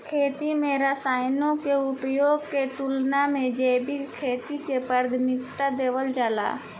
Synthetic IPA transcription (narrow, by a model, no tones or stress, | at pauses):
kʰeːt̪imẽɾəsaːɪnõkeʊpjoːɡ̚ket̪ulnamẽd͡ʒeːbɪkkʰːeːt̪ikepəɾd̪ʱmɪkt̪ad̪eːʋəld͡ʒaːla̰ː